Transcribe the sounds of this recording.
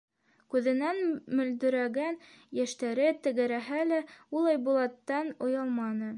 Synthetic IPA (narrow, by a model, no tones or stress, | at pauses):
kʉðɘ̆nænmɵ̆ld̪ɵ̆ɾæɡæn | jæʃt̪æɾɘt̪ɘ̆ɡɘ̆ɾæɦælæulˠɑjbulˠɑt̪ːɑnŏjɑlˠmɑnɤ